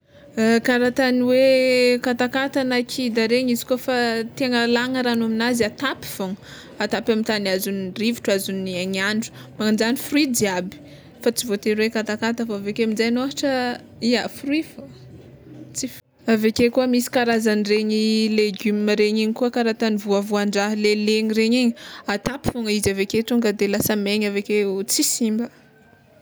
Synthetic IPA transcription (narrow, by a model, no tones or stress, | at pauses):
kaɾat̪aniwekat̪akat̪anakʰid̪aɾeɲizi̥kofat̪eŋəlaŋəɾanaminazat̪api̥v̥oŋ | at̪apamit̪anazuniriviʈ͡ʂazuniaɲaɳɖ͡ʐu̥maŋind͡ʒanifruidiabi̥ | fat͡sivot̪eɾwekat̪akat̪afaavekeminzajnoɦaʈ͡ʂə | iafruif | t͡si | avekekuəmisi̥kaɾazanireɲileɡumimaɾeɲiɲikuəkaɾat̪anivuavuaɳɖ͡ʐaɦleleɲiɾeɲiɲat̪api̥fuŋaizaveket̪uŋɡəd̪elasameɲaveket͡sisimbə